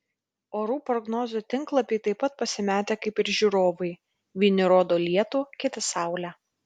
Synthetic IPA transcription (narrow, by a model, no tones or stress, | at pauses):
oːɾuːpɾɔɡnoːzʲut̪ʲɪŋklˠɐpʲɪɪt̪ɐɪpɐt̪̚pɐsʲɪmʲæːt̪ʲeːkɐɪpɪɾʒʲuːɾoːʋɐɪ | ʋʲiːnʲɪɾoːd̪oːlʲiɛt̪uːkʲɪt̪ʲɪsɑˑʊlʲæ